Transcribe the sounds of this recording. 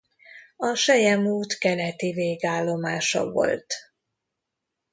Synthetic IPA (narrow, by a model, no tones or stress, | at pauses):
ɒʃɛjɛmuːt̪kɛnɛt̪iveːɡaːlːo̞maːʃɒ̰vo̞̰lt̪